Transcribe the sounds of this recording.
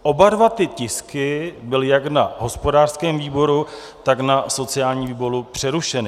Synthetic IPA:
ʔo̞badvat̪ɪcɪskɪbɪlɪjaknaɦo̞spo̞daːr̥skɛːmviːbo̞ɾu | t̪aknaso̞t͡sɪjaːlɲiːviːbo̞ɾupr̝̥ɛɾuʃɛnɪ

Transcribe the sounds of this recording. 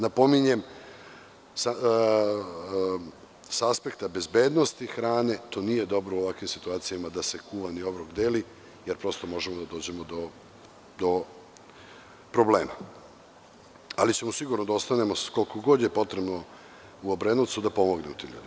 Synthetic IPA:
napo̞miɲe̞m | sa | saaspe̞kt̪abe̞zbe̞ːd̪no̞st̪ixɾaːne̞t̪o̞ːnije̞d̪o̞bɾouoʋakʋimsit̪uaːt̪sijamad̪ase̞kuʋanio̞bɾoɡd̪eːli | je̞ɾpɾost̪omo̞ʒemod̪ad̪o̞ːd͡ʑe̞mod̪o̞ | d̪o̞ | pɾo̞bleːma | alit͡ɕe̞musiɡuɾnod̪aost̪ane̞moko̞lkoɡo̞d̪jepo̞t̪ɾebno̞ | uobɾenut̪sud̪apo̞mo̞ɡnemut̪ḭʎʲṵd̪i

